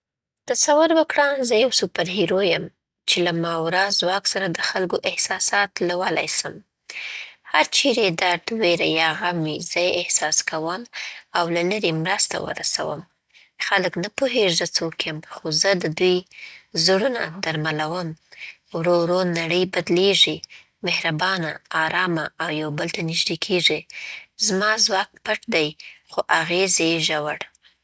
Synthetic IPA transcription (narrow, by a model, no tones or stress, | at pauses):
t̪asawʊɾwəkɽɑnzəjawsupaɾɦiɾojəm | t͡ʃelamɑwɾɑzwɑksaɾad̪əxalɡoʔɪhsɑsɑt̪lawəla̰jsəm | haɾt͡ʃiɾed̪aɾt̪weɾajɑɣamizəjɪhsɑskawəmawlaləɾemɾast̪a̰wə̰ɾasa̰wə̰m | xaləknapoɦeʐət͡sokjəmxozəd̪əd̪ujzɽuna̰d̪aɾmalawəm | wɾoɾonaɽəjbad̪leʐi | mehɾabɑnaːɾɑmaːwjawbəlt̪anɪʒd̪ekʰeʐizmɑzwɑk̚paʈd̪ajxoʔaɣezeʒawaɽ